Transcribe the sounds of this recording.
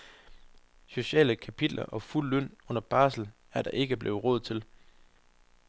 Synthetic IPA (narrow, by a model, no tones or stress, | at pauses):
so̝ɕɛ̰ːləkʰæpʰid̥lʔɐʔɒ̽ful̰ːøn̰ɔ̽n̰ɐb̥ɑ̈ːsl̩ | æɐd̥ɑ̈ʔe̝ɡ̥əb̥le̝ːʊʁɔ̽ð̩ˠt͡sʰe̝l